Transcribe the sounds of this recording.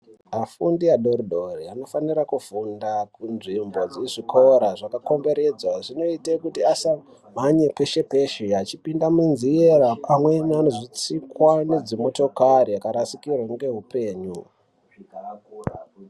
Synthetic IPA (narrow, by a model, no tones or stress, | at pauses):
afundiaɗo̞ɾiɗʱo̞riano̞faniɾakufundakunʐimbo̞d͡ziʐikʰo̞ɾaʐakako̞mbe̞ɾe̞d͡zwaʐino̞itekutiasa | maɲepe̞ʃe̞pe̞ʃeat͡ʃipindamunzieɾaamweɲiano̞ʐit͡sikwane̞d͡zimo̞to̞kaɾijakaɾasikirwaŋɡe̞ɦupe̞ːɲu